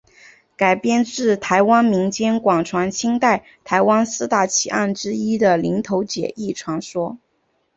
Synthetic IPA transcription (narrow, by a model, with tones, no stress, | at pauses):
ka˨˩ɪpjɛ˥˧nʈ͡ʂɻ̩˥˩t̪ʰa˧˥ɪwa˥nmi˧˥ŋt͡ɕjɛ˥nkwɑ˨˩ŋʈ͡ʂʰwa˧˥ŋt͡ɕʰi˥ŋt̪a˥˩ɪ | t̪ʰa˧˥ɪwa˥nsɹ̩˥t̪a˥˩t͡ɕʰi˧˩ʔa˥˩nʈ͡ʂɻ̩˥i˥d̪ə˨li˧˥ŋt̪ʰo˧˥ʊt͡ɕjɛ̰˨˩ʔi˥˩ʈ͡ʂʰwɑ˧˥ŋʂwɔ˥